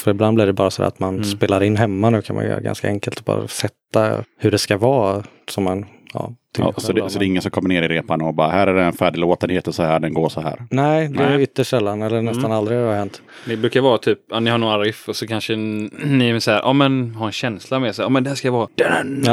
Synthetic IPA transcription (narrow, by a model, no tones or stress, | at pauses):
fœɾɪbland̪blɪɖɛbɑːɾasɔæ̰ɾʔat̪manspeːlaɾɪnːɦɛmːanʉ̟ːkʰanma̰jʏjœ̰ːɾa̰ɡa̰nska̰ɛŋkəlt̪ɔbɑ̰ːɾa̰sɛt̪ːa̰hɵɖɛskavɑː | sɔmɛnjɑ̰ːt̪ʰɪ̰sɔd̪ɛsɔd̪ɛɪŋːənsɔmkʰɔmːəneːɾɪɾeːpanɔbɑːɾahæːɾæɖɛɛnfæːɖɪloːt̪ənheːt̪ɔsɔhæːɖɛnɡoːʂɔhæ̰ːɾnɛɪd̪ɛɛjʏt̪ːəʂʂɛlːanɛlːənɛst̪anald̪ɾɪahɛnt̪ | d̪ɛbɾʉ̟ːkaɾvɑːɾat̪ʰyːpanɪhaɳuːaɾɪfɔsɔkʰanʂənɪɛmɛsahæːɾʔɑ̰ːmɛnhaɾɛnɕɛnslamɛsaɑːmɛnd̪ɛhæːsʂkajavɑːd̪̥ɛ